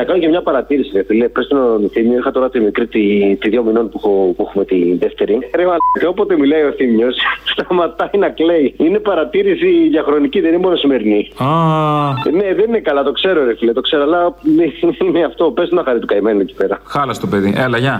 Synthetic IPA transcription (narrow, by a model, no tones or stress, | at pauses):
nɐkɐnocemɲɐpɐɾɐt̪iɾisiɾefilepest̪ononθimɲoixɐt̪o̞ɾɐt̪imikɾit̪it̪iðʝo̞mino̞npuxopuexume̞t̪iðeft̪e̞ɾiɾemɐt̪eopot̪e̞milɐio̞θimɲo̞sst̪ɐmɐt̪ɐinɐkle̞iine̞pɐɾɐt̪iɾisiðʝɐxɾo̞niciðeninemo̞nosime̞ɾinia | ne̞ðenine̞kɐlɐt̪o̞kse̞ɾoɾefilet̪o̞kse̞ɾoalɐðeineɐft̪o̞pest̪onɐxɐɾit̪ukɐimenuneci̥pe̞ɾɐxɐlɐst̪ope̞ðiʔelɐʝɐ